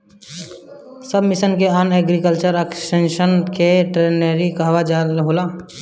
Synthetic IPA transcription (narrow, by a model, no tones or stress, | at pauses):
səbmisənkeanɛɡɾikəlt͡ʃəɾəkʈenʃənkeʈɾeneɾikaɦʋad͡ʒalɦola